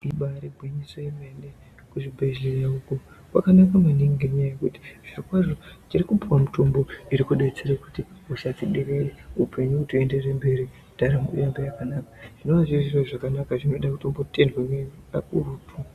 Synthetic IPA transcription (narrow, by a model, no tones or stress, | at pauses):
iɓaɾiɡʱwiɲisojemene | kuʐibʱe̞ʒɮerauku | kwa̰kanakamaniŋɡeɲajajekuti̥ʐ̥irikwaʐot͡ʃirikupuwamutombo̞iɾikuɗet͡seɾaku̥tiusatiɗekereupe̞ɲuutuende̞rembe̞ɾi | d̥aɾamṵjambejakanaːkḁʐ̥ino̞ʋaʐiʐirwaʐakanakaʐino̞ɗakutombotendwemekurutu